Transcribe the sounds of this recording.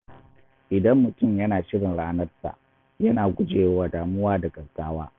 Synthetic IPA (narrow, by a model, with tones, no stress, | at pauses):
ʔɪ˨dɐ˦mːʊ˨tʊ˦˨mjɐ˦naː˨ʃɪ˦ɽɪ˨nɽaː˦nɐ˦rta̰˨ | jɐ˦naː˨ɡʷʊ˦d͡ʒeː˨jwaː˦daː˨mʊ˦waː˦dɐ˨ɡɐ˨ɡaː˦waː˦